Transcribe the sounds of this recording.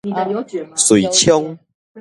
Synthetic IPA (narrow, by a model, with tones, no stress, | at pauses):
swu˨˩˨t͡ɕʰjɔ˦ŋ